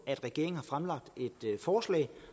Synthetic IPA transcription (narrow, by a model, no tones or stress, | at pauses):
æd̥ʁɛɡ̥e̝ɐ̰ŋn̩hɑ̈fʁamlɑ̈ɡ̥̚d̥e̝d̥fɒːslɛ̰ːɪ